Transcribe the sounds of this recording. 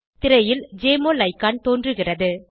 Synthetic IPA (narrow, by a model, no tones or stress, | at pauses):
t̪ɪɾɐjɪld͡ʒeːmoːlɐɪkːaːnt̪oːndrɯɣɪrɐðɯ